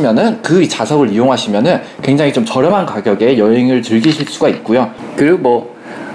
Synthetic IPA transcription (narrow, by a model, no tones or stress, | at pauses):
imjʌnɯnkɯit͡ɕasʰʌɡɯɾijoŋɦaɕʰimjʌnɯnkwe̞ŋd͡ʑaŋit͡ɕomt͡ɕʌɾjʌmankaɡjʌɡe̞jʌɦe̞ŋɯɭtɯɭɡiɕʰuɭs͈uɡait̚k͈ujokɯɾiɡomwʌ